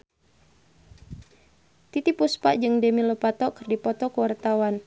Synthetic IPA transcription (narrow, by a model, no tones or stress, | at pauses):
t̪it̪ipuspaʔd͡ʒɨŋdemiləpat̪ɔkɨrdipɔt̪ɔkəwart̪awan